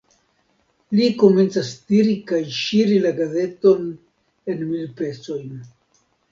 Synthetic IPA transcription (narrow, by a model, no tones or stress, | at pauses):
liko̞me̞nt͡sastiɾikajʃiɾilaɡaze̞to̞n | e̞nmilpe̞t͡so̞jn